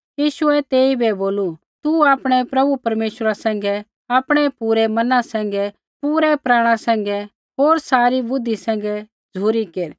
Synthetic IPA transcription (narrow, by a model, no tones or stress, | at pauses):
jiːʃuɛt̪eːibɛboːlu | t̪uaːpɽ̃ɛpɾɐbupɐɾmeːʃɾasɛ̃ːŋ̆ɡɛ | aːpɽ̃ɛpuːɾɛmɐnãsɛ̃ːŋ̆ɡɛ | puːɾɛpɾaːɽ̃ãsɛ̃ːŋ̆ɡɛ | ɦoːɾsaːɾibʊd̪ʱːisɛ̃ːŋ̆ɡɛ | d͡zʱuːɾikeːɾ